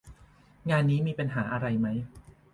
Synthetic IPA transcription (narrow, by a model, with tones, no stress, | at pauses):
ŋaː˧nːiː˦˥miː˧pa˧nɦaː˩˦ʔa˧ɾa˧jma˦˥j